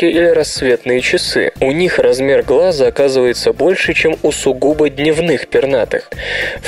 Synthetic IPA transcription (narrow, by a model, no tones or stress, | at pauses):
kʲɪʔilʲɪɾɐsːvʲe̞t̪nɨjət͡ɕɪsɨ̰ʊnʲixrɐzmʲe̞rɡlˠazəɐkazɨvəjɪt̪səbo̞lʲʂɨt͡ɕemʊsʊɡubədʲnʲɪvnɨxpʲɪrnat̪ɨ̰xf